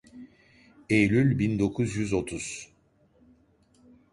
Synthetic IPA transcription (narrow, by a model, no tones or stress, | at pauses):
ejlʲylʲbind̪o̞kʰuzjyzo̞t̪ʰuz̥